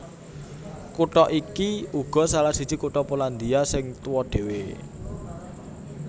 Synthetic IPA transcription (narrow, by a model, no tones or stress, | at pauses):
kuʈɔʔikiuɡ̥ɔ̤salasid̥t͡ʃi̤kuʈɔpoland̪iasɪŋt̪uwɔɖ̪̥e̤we